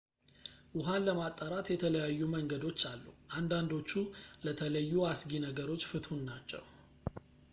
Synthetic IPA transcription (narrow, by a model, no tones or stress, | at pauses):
ʔʊɦanləmat̪ʼːaɾat̪jɛt̪ʰələjajːuməŋɡəd̪o̞t͡ʃːalːṵʔand̪and̪o̞t͡ʃːulət̪ʰələjːuasɡinəɡəɾo̞t͡ʃːfɨt̪hunnat͡ʃːɛ̰w